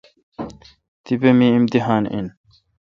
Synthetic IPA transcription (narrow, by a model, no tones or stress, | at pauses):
t̪ibemiːimt̪iɦaːnḭn